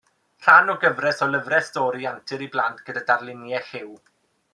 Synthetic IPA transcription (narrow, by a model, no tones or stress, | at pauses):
r̥anɔɡəvrɛsɔlˠəvrɛstɔːɾiantʰɪɾiblˠantʰɡ̥ədadarlˠɪnjɛhɪw